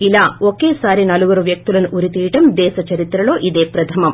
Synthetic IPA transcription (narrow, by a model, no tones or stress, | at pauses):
ilaokːeːsaːɾinɐluʋɐɾuʋjɐk̚t̪ulɐnuʔuɾit̪iːʈɐmd̪ɛːsɐt͡ʃɐɾit̪ɾɐloːʔid̪eːpɾɐt̪ʰɐmɐm